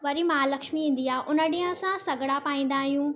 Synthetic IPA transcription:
ʋɐɾimaːlɐkʃmiɦĩːnd̪iaːʔʊnəɗĩə̃sãsɐɡʱɽapaːĩːn̆d̪aːɦijũː

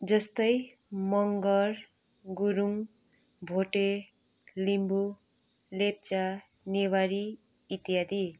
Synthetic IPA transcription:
d͡zʌst̪ʌj | mʌŋɡʌr | ɡuɾuŋ | bʱoʈe | limbu | lep̚t͡sa | newaɾiː | t̪ijad̪i

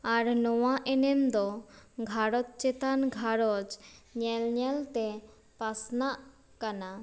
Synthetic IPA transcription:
aɾnɔwaʔɛnɛmd̪ɔɡʱaɾɔt̪̚t͡ʃɛt̪anɡʱaɾɔd͡ʒɲɛlɲɛlt̪ɛ | pasnaʔ | kana

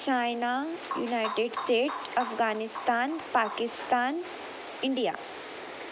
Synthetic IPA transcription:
t͡ʃaːjnaːjṵnaːjʈeɖsʈeːʈɐfɡaːnɪst̪aːnpaːkɪst̪aːn | ɪɳɖija̰ː

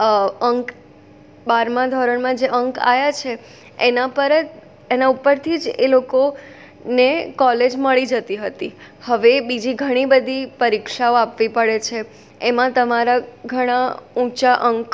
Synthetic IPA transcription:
əŋk | baɾmãd̪ʱɔɾəɳmãd͡ʒeʔəŋka̰jat͡ʃʰe | enapəɾət̪ | enaupəɾt̪ʰid͡ʒeloko | nekɔled͡ʒməɭid͡ʒət̪iɦət̪ihəʋebid͡ʒiɡʱəɽ̃ibəd̪ʱipəɾikʃaoapʋipəɭet͡ʃʰeː | mãt̪əmaɾaɡʱəɽ̃aũt͡ʃaʔəŋk

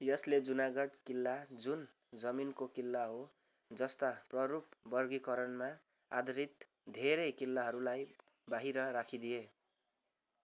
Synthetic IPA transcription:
jʌsled͡zunaɡʌɽkilːad͡zun | d͡zʌminkokilːaɦo | d͡zʌst̪aprʌɾup̚bʌrɡikʌɾʌnma | a̰d̪ʌɾit̪ | d̪ʱeɾʌjkilːaɦʌɾulaj | baɦiɾʌɾakʰid̪ije

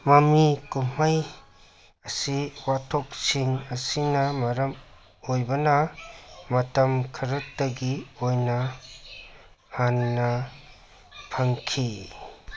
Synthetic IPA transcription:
mɐmikum̥aj | ɐsiwatʰok̚siŋɐsinɐmɐɾɐm | ojbɐnɐ | mɐtɐmkʰɐɾutdɐɡiojnɐ | hanːɐ | pʰɐŋkʰi

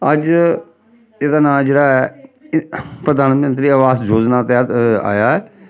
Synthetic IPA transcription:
əd͡ʒ | eːd̪aːnaːd͡ʒeːɽaːɛ | pɾəd̪aːnmənt̪ɾiːəʋaːsd͡ʒoːd͡ʒnaːt̪ɛt̪a̰ːjaːɛː

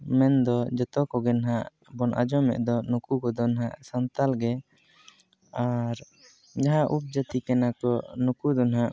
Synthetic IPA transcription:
mɛnd̪ɔd͡ʒɔt̪ɔkɔɡɛnaɦaʔ | bɔnʔa̰d͡ʒɔmɛ̰ʔd̪ɔnukukɔd̪ɔnaɦaʔsant̪alɡɛ | aɾ | d͡ʒaɦãʔup̚d͡ʒət̪ikɛnakɔnukud̪ɔnaɦaʔ

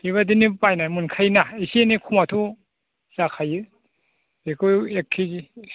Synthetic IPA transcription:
iβadinipajnamunkʰajnaisenikʰumatʰu | sakʰajɯ | ekʰojekʰːi

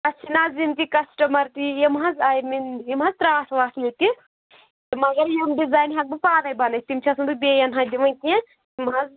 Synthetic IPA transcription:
ɐt͡ʃʰinaːzimt̪ikɐsʈɐmɐɾt̪ijɐmɦɐzajminjimɦɐzt̪ɾaːsʋaːtʰlit̪i | imɐɡɐɾjemɖizaːjnɦɐk̚bɨpaːd̪ɐjbɐnɐt̪imt͡ʃʰɐsʰund̪ubeːjɐnɦad̪iʋɐnke | imɦɐz

